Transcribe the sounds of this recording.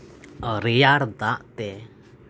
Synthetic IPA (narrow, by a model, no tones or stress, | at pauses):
əɾijaɾd̪aʔt̪ɛ